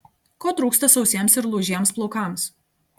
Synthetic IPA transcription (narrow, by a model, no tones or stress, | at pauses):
koːt̪ɾuːkst̪ɐsɒʊsʲiɛmsɪɾlˠuːʒʲiɛmsplˠɔʊkɑˑms